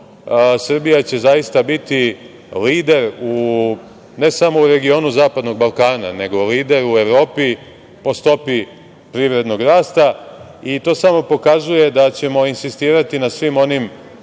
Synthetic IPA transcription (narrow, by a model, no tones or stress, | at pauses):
sr̩bijat͡ɕe̞zajist̪abit̪i | liːd̪e̞ɾu | ne̞samo̞uɾe̞ɡio̞ːnuzaːpad̪no̞ɡ̚balˠkaːna̰ne̞ɡo̞liːd̪e̞ɾue̞ʋɾo̞ːpi | po̞st̪o̞pi | pɾiʋɾe̞d̪no̞ɡɾaːst̪a | it̪o̞ːsamo̞po̞kazuje̞d̪at͡ɕe̞mo̞insist̪iːɾat̪inasʋimo̞nim